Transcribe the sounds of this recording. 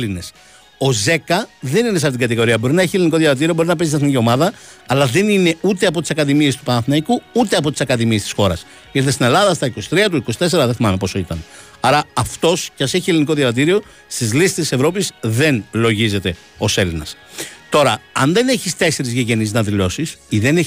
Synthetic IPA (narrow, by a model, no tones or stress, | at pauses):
line̞s | o̞ze̞kɐðe̞nines̬ɐft̪it̪ɡɐt̪̬iɣo̞ɾiɐbo̞ɾinɐeçieliniko̞ðjɐɾɐt̪iɾio̞boɾinɐpest̪̬iɐθnicio̞mɐðɐː | lɐðe̞nine̞ut̪e̞ɐpo̞t̪isɐkɐðimie̞st̪upɐnɐθinɐikuut̪e̞ɐp̬o̞t̪i̥sɐkɐðimiest̪i̥sxo̞ɾɐ̰s | it̪est̪ine̞lɐðɐst̪ɐiko̞si̥t̪ɾiɐt̪uiko̞sit̪e̞se̞ɾɐðeθimɐnepo̞soit̪ɐn | ɐɾɐɐft̪o̞scɐseçieliniko̞ðjɐɾɐt̪̬iɾio̞ | st̪izlisi̥st̪ise̞vɾo̞pisðe̞nlo̞ʝize̞t̪e̞ | o̞se̞linɐs | t̪o̞ɾɐɐ̰nðe̞neçist̪e̞se̞ɾizʝeʝe̞niznɐðilo̞sisiðe̞ne